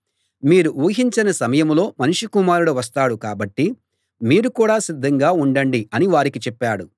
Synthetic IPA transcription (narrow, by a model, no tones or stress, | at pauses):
miːɾuuːɦiɲt͡ʃɐnɐsɐmɐjɐmlo̞ːmɐnuʂukumaːɾuɽoʋɐs̬t̪aːɽukaːbɐʈːi | miːɾukuːɽaːsid̪ʱːɐŋɡaːuɳɖɐɳɖiɐniʋaːɾikit͡ʃɛpːaːɽu